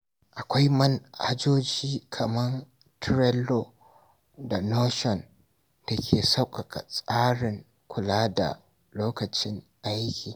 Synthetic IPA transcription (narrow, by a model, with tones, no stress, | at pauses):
ʔa˨kʷa˦jmɐ˦nha̰˦d͡ʒoː˦d͡ʒiː˦kʰɐ˨mɐ˦n | tʰɾɛ˦loː˨ | da˨noː˦ʃɔ˨n | d̥a˨kʲʰeː˨sa˦wkʼɐ˨kʰa̰˨sʼaː˦ɽɪ˨ŋ | kʷʰʊ˨laː˦da̰˨ | loː˦kɐ˨t͡ʃɪ˦ŋʔa˦jkʲiː˨